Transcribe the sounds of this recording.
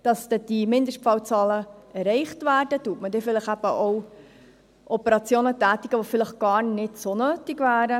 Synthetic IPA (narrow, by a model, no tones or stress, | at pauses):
d̥ɑsd̪ɛd̥imɪndəʃt̚pfɑwt͡sɑːləɛrɛɪχtvæːɾdətuətmədɛfɪləχæb̥əʔow | ʔɔpəɾɑt͡sjoːnətæːt̪iɡ̥əʋofɪləχɡ̥ɑːɾnɪtsonøːtɪɡvæːɾə